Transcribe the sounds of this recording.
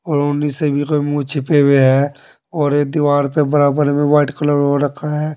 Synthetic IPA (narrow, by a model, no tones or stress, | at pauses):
ɔːɾʊnːisebʱikomũt͡ʃʰɪpeweɦɛː | ɔːɾed̪iʋaːɾpebəɾaːbəɾmẽʋaːɪʈkələoɾəkʰːaɦɛː